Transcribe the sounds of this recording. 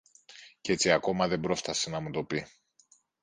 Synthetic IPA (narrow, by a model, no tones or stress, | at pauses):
ce̞t͡siɐko̞mɐðe̞bɾo̞st̪ɐsenɐmut̪o̞pi